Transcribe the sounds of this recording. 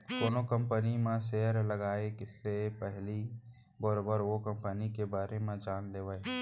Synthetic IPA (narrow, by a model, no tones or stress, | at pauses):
koːnokə̃mpənimẽseːɾləɡaːekɪsepɛɦli | bɔɾoːbəɾʋokə̃mpənikebaːɾemẽd͡ʒaːnleːʋəe